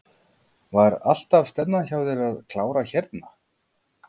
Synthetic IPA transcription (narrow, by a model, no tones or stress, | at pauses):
vaɾa̰l̥t̪av̥st̪ɛpnaçaːwðɪɾaðkʰlaːwɾaçɛɾt̪na